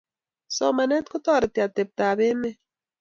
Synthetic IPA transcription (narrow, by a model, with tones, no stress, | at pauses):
sɔ˦ma˨nɛ˦t̪kʊ˦t̪ɔ˦˨ɾɪ˨t̪i˨a˨t̪e˨p̚t̪a˨βe˦mɛ˦